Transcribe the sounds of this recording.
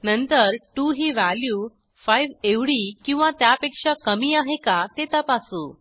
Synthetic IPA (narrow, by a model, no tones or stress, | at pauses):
nənt̪əɾʈuɦiːʋæljuː | fajʋeʋɽiːkĩw̃ʋat̪japekʂakəmiːaɦekat̪et̪əpasũ